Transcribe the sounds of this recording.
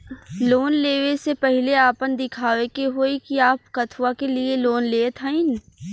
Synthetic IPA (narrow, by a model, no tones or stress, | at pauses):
loːnleːʋesepɛɦɪleaːpənd̪ɪkʰaːʋekeɦoːikiaːpkɐt̪ʰʋakelieloːnleːt̪ʰaɪn